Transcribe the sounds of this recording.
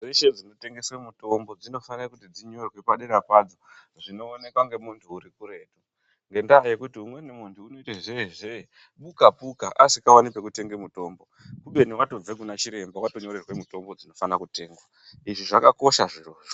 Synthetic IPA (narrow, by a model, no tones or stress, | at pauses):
reʃe̞d͡zino̞te̞ŋɡe̞swemuto̞mbo̞d͡zino̞fanirakutid͡ziɲo̞rwe̞paɗeɾapaːd͡zo | ʐino̞ːne̞kwaŋɡe̞muntʰuːɾikuɾe̞ːtu | ŋɡe̞ndaːje̞kutiumwe̞nemuntʰuːno̞itaʐeʐe | ɓukapukaʔasikawanipe̞kute̞ŋɡemuto̞ːmbo̞ | kuɓe̞niwato̞b͡vek̬unat͡ʃiɾe̞mbawato̞ɲoɾerwe̞muto̞mbo̞d͡zino̞fanakute̞ːŋɡwa | iʐiʐakako̞ʃaʐiroːʐo